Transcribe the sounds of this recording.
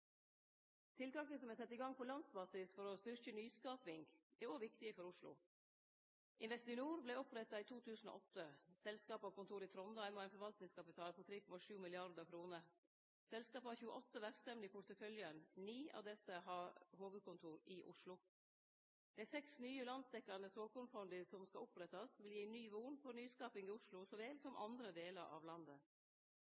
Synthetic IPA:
t̪ʰɪlt̪ɑːkəsɔmæsɛt̪ːɪɡɑŋpʰɔlɑnd̪sbɑːsɪsfɔɾɔst̪ʏɾkənyːskɑːpɪŋɡɛɾoːʋɪkt̪ɪəfɔɾʊʂlʊ̰ | ʔɪnʋɛst̪ɪnuːɾblɛɪɔpɾɛt̪ːɑiːt̪ʰuːt̪ʉːsn̩o̰ːʔɔt̪ːəsɛlskɑːpɑkʊnt̪ʰuːɾɪt̪ʰɾɔnd̪ɑæɪnmɔæɪnfɔɾʋɑlt̪nɪŋskɑpɪt̪ʰɑːlpʰɔt̪ʰɾeːkɔmɑʂʉːmɪlɪɑɾd̪əkʰɾuːnəɾ | sɛlskɑːpɑɾçʉːəʔɔt̪ːəʋæɾsɛmlɪpʰʊɾt̪əfœljənniːɑ̰ʋd̪ɛsəɦɑɾhoːɡəkʰʊnt̪ʰuːɾɪʔʊʂlʊ | d̪̥æɪsɛksnyːəlɑnsd̪ɛkːɑɾnəsoːkʊnfɔnd̪ɪsɔmskɑɔpɾɛt̪ːɑsʋɪljiːnyːʋuːnfɔɾnyːskɑːpɪŋɪʊʂlʊsɔːʋeːlsɔmʔɑ̰nd̪ɾəd̪eːləɾʔɑ̰ːʋlɑnd̪ə

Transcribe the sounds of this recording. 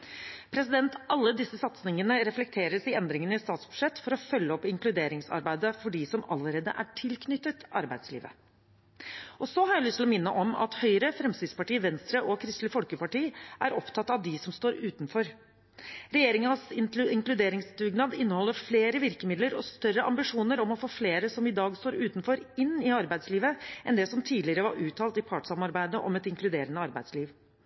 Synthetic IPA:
pʰɾɛsɪd̪ɛnt̪ʔɑlːəd̪ɪsːəsɑt̪snɪŋənəɾɛflɛk̚t̪ʰeːɾəsɪɛnd̪ɾɪŋənɪst̪ɑːt̪sb̥ʉ̥ʂɛt̪ːfɔɾɔfœlːəɔpːɪŋklʉd̪eːɾɪŋsɑ̰ɾbæɪd̪əfɔɖisɔmɑ̰ləɾeːd̪ə̰ʔæʈʰɪlkʰnʏt̪ːət̪ɑɾbæɪd̪slḭːʋə̰ | ʔɔsɔhɑɾjæɪlʏst̪lɔmɪnːəʔɔmɑ̰t̪hœʏɾəfɾɛmst̪ɪd̪spɑʈiːʋɛnst̪ɾəʔɔkʰɾɪst̪lɪfɔlkəpɑʈiːʔæɾɔpt̪ʰɑt̪ːɑʋd̪ɪsɔmst̪oːɾʉːt̪nfɔɾ | ɾɛjeːɾɪŋənəsɪɪŋklʉd̪eːɾɪŋsd̪ʉɡnɑːd̪ɪnːəhɔlːəɾfleːɾəʋɪɾkəmɪd̪ləɾɔst̪œrəʔɑ̰mbɪʂuːnəɾɔmɔfoːfleːɾəsɔmɪd̪ɑːɡst̪oːɾʉːt̪nfɔɾɪnːɪɑɾbæɪd̪sliːʋəʔɛnd̪ɛsɔmt̪ʰiːd̪lɪəɾəʋɑɾʉːt̪ʰɑːlt̪ɪpʰɑʈsɑmɑɾbæɪd̪əʔɔ̰mɛt̪ɪŋklʉd̪eːɾənəɑɾbæɪd̪sliːʋ

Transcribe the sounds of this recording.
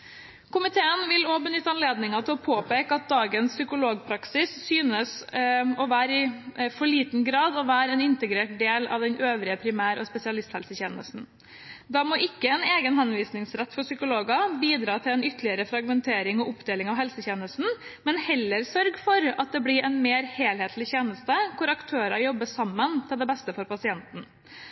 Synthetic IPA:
kʰʊmɪt̪ʰeːənʋɪloːbənʏt̪ːəɑnleːd̪nɪŋɑt̪ʰɪlɔpʰoːpeːkəɑt̪̚d̪ɑːɡənsːʏkʊloːɡpʰɾɑksɪsːyːnəsɔʋæːɾɪfɔɭiːt̪n̩ɡɾɑːd̪ɔʋæːɾɛnɪnt̪əɡɾeːʈ̚d̪eːlɑ̰ʋd̪ɛnøːʋɾɪəpʰɾɪmæːɾɔspɛsɪɑlɪst̪hɛlsəçɛːnə̰st̪n̩ | d̪ɑmoːʔɪkːəɛneːɡənɦɑnʋiːsnɪŋsɾɛt̪ːfɔʂsʏkʊloːɡɑbiːd̪ɾɑːt̪ʰɪlɛnʏt̪ːəlɪəɾəfɾɑɡmɛnt̪ʰeːɾɪŋɔʔʊpd̪eːlɪŋɑʋhɛlsəçɛːnəst̪n̩mɛnhɛlːəɾsœɾɡfɔɾɑt̪̚d̪ɛblɪɾʔɛnmeːɾheːlheːt̪ʰlɪçeːnəst̪əkʰʊɾɑkt̪ʰøːɾɑjɔbːəsɑmːənt̪ʰɪld̪ɛbɛst̪əfɔɾpɑsɪɛnt̪n̩

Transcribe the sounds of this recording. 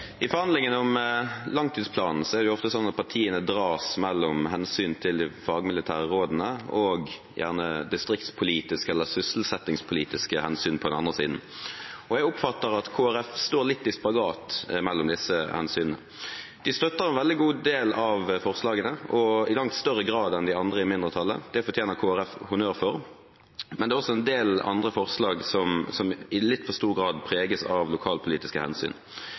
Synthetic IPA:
ʔɪfɔɾhɑnd̪lɪŋənʊmlɑŋt̪ʰiːd̪spʰlɑːnn̩sɔɛʁd̪ɛjʊɔft̪əsɔnːɑt̪̚pʰɑʁʈʰiːənəd̪ɾɑːsmɛlːɔmɦɛnsyːnt̪ʰɪld̪ɪfɑːɡmɪlɪt̪ʰæːʁːoːd̪n̩əɔɡ | jʔæ̰ʁnəd̪ɪst̪ɾɪkt̪spʰʊliːt̪ɪskəɛlːəsʏsl̩sɛt̪ːɪŋspʰʊliːt̪ɪskəhɛnsyːnpʰɔd̪ɛnɑ̰nd̪ʁəsḭːd̪n̩ɔjæɡʊpfɑt̪ːəɾɑt̪kʰoːæɾɛfst̪oːɾlɪt̪ːɪspɑɡɑːt̪mɛlːɔmd̪ɪsəhɛ̰nsyːnənə̰ | d̪̥ɪst̪œt̪ːəʁɛnʋɛld̪ɪɡuːd̪eːlɑʋfɔʁslɑːɡənəɔɪlɑŋt̪st̪œʁəɡʁɑːd̪ɛnd̪ɪɑnd̪ʁəɪmɪnd̪ʁət̪ʰɑlːə̰d̪̥ɛfɔt̪ʰjeːnəʁkʰoːæʁɛfhʊnøːʁfɔʁ | mɛnd̪ɛːɔsːɔɛnd̪eːlɑ̰nd̪ʁəfɔʁslɑːɡsɔmsɔmɪlɪt̪ːfɔʁst̪uːʁɡɾɑːd̪pʰʁeːɡəsɑʋlʊkʰɑːlpʰʊliːt̪ɪskəhɛ̰nsy̰ːn

